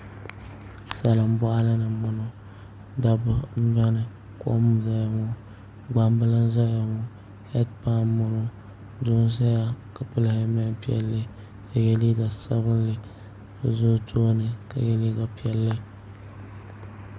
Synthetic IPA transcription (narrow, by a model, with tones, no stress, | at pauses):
sa˨lɨ˨m̩˦bɔ˦ʔa˦la˦nɨ˨mʊ˨nʊ˦ | da˦bʊ˨n̩˦ɲa˦nɨ˨ko̰˦ʔm˦za˨jŋɔ˦ | ɡ͡ba˦mbɨ˦lɨ˦n˦za˦ja˨ŋɔ˨hɛ˦dpa˦mmʊ˦nʊ˦dʊ˦n˦za˦ja˦ka˨pʊ˦lhɨ˦mɪ˦pi˦ɛ̰˦lːɨ˦ | ka˨jɛ˦li˦ɡa˨sa˦bɨ˦nlɨ˦˨ | zʊ˦tʰoː˦nɨ˨ka̰˨jɛ˦li˦ɡa˨pi˦ɛ˨lːɨ˦